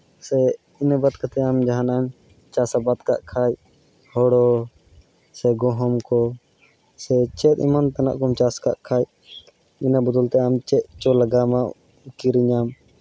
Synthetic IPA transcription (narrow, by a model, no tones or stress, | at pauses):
sɛ | inabat̪̚kat̪ɛamd͡ʒaɦanam | t͡ʃasabat̪kaʔkʰaj | hɔɽɔ | sɛɡɔɦɔmkɔ | sɛt͡ʃɛt̪̚ˀḭmant̪ana̰ʔkɔmt͡ʃaskaʔkʰaj | inabɔd̪ɔlt̪ɛamt͡ʃɛt̪̚t͡ʃɔlaɡama | kiɾiɲam